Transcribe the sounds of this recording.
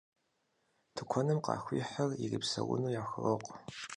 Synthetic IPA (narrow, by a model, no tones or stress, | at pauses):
tʰɨkʷʰɔnɨmqɑ̰ːxʷiːħariripsɐ̰wʊ̰nuːjaːxɨroqʷʼ